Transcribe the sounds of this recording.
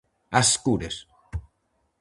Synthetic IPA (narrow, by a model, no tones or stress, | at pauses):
askuɾes